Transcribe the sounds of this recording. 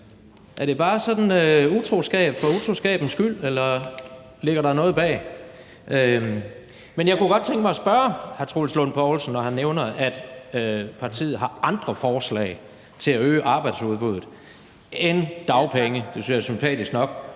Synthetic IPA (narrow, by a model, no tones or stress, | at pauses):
ʔæɐɾ̥e̝b̥ɑ̈ːsɒ̽d̥n̩øut͡sʰʁo̝sɡ̥ɛ̰ːb̥fɒ̽ut͡sʰʁo̝sɡ̥ɛ̰ːb̥n̩sɡ̥yl̰elɐ | le̝ɡ̥ɐɾɑ̈nɔ̽ːð̩ˠb̥ɛ̰ː | ʔø | menjɑ̈ɪkʰuɡ̥ɒ̽d̥̚t͡sʰeŋɡ̥əmɑsb̥ɶɐhæt͡sʰʁo̰ːlslɔnpʰɒʊl̩sn̩ːɒhænːeʊnɐæd̥ | pʰɑ̈t͡sʰḭːð̩ˠɦɑ̈ʔɑ̈nd̥ʁɐfɒːslɛ̰ɪ | t͡sʰe̝læøːʔɑ̈ːb̥ɑ̈ɪd̥suðˠb̥uðˠð̩ˠ | end̥ɑ̈ʊpʰeŋəd̥e̝synsjɑsympʰɛ̰ːd̥isɡ̥nɒ̽ɡ̥